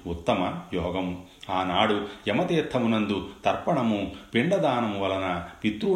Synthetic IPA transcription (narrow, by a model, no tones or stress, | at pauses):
ut̪ːɐmɐjɔːɡɐmu | aːnaːɽuɛmɐd̪eːɾt̪ʰɐmunɐnd̪ut̪ɐɾpɐɳɐmupiɳɖɐd̪aːnɐmʋɐlɐnɐpit̪ɾuː